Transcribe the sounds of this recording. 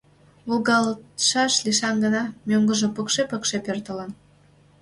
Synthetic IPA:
ulɣɑlʃɑʃliʃɑnɡənɑmʲøŋɡəʒəpəkʃepəkʃepørt̪əlɑn

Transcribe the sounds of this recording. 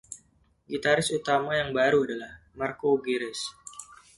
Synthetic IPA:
ɡit̪aɾɪsut̪amajaŋbaɾuadalah | markoɡiɾɪs

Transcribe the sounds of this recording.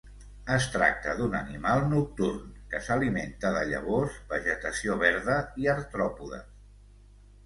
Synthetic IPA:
əst̪ɾa̰k̚t̪əðunənimalˠnuk̚t̪urnkəsəliment̪əðəʎə̰β̞ozbəʒət̪əsioβɛɾðəiəɾt̪ɾɔpuðə̰

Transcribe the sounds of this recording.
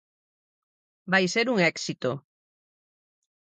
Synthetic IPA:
bajseɾuŋeksit̪o

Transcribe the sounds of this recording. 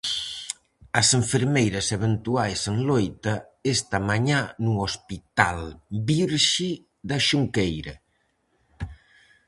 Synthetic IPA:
ɐseɱfeɾmejɾɐseβent̪uajseŋlojt̪ɐ | est̪amaɲanuospit̪albiɾʃi | ðɐʃuŋkejɾɐ

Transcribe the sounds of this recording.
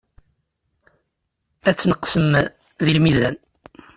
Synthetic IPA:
æt͡sːnəqːsəm | ðilmizæn

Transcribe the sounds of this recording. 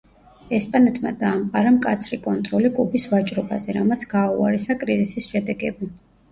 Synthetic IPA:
ɛspʼanɛt̪ʰma̰d̪aːmqʼaɾamkʼat̪sʰɾikʼɔnt̪ʼɾɔlikʼubisvat͡ʃʼɾɔba̰zɛɾamat̪sʰɡ̥aua̰ɾɛsakʼɾizisisʃɛd̪ɛɡɛbi

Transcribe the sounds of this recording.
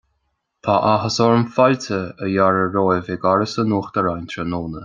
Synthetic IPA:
t̪ʰaʔaɦəsɔɹnfalt̪ʰəəjaɹəɹoːjveːɡaɾəsənuːxt̪əɾajnt̪ʰɾənoːnə

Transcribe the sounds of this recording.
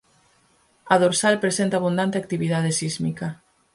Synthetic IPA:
ɐðoɾsalpɾesent̪aːβund̪ant̪eak̚t̪iβiðað̞esizmikɐ

